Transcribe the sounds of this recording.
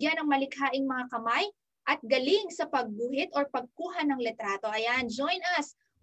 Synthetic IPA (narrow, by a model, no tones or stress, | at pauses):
janɐŋmɐlɪkhaːʔɪŋmɐŋakɐmaj | ʔɐt̪̚ɡɐlɪŋsɐpɐɡ̚buːhɪt̪oɹpɐɡ̚kuːɦɐnɐŋlɛt̪ɾaːt̪o̞ʔɐjand͡ʒojnɐs